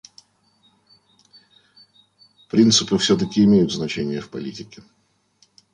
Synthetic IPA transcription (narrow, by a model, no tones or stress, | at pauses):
pɾʲint̪sɨpɨfsʲot̪̬əkʲɪɪmʲejʊt̪znɐt͡ɕenʲɪjəfpɐlʲitʲɪkʲɪ